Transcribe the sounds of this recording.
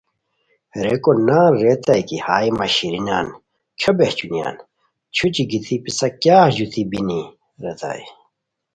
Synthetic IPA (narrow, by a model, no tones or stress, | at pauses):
ɾekonaːɾet̪ajkihaːimɐɕiɾina̰ːn | kʰobeht͡ɕunja̰ːn | t͡ɕʰut͡ɕiɡit̪ʰipisɐkjaːʑut̪ʰibini | ɾet̪a̰ːj